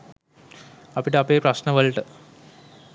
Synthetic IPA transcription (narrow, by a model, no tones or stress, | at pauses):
ɐpiʈəɐpeːprɐsnɐʋəɭʈə